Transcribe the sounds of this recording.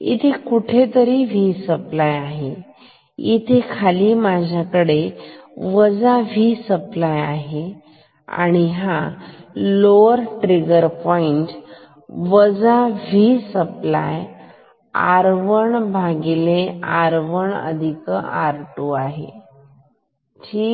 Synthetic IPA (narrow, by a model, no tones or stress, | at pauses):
ḭt̪ʰekuʈʰet̪əɾiːʋiːsəplajaɦe | it̪ʰekʰaliːmad͡ʑʱjakəɽeʋəd͡zaʋisəplajaɦe | a̰ɽ̃iɦa | loəɾʈɾiɡəɾpɔiɳʈ | ʋəd͡zaʋisəpla̰j | a̰ɾʋəɳbʱaɡileaɾʋəɳə̰d̪ʱikəaɾʈuaɦḛ | ʈʰiː